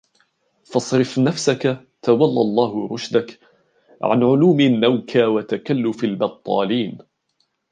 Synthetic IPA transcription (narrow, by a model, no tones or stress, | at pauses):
fɑsˤɾɪfnafsaka | t̪awɑlːɑlˤːɑːhʊɾˤʊʃd̪ak | ʕa̰nʕʊluːmɪnːawkʰawat̪akalːʊfalbɑt̪ˤːɑ̰ːliːn